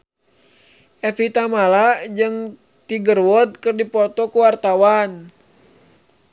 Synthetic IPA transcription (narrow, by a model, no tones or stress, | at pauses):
ʔɛfit̪amalad͡ʒɨŋ | t̪iɡərwɔd̪̚kərdipɔt̪ɔkuwart̪awan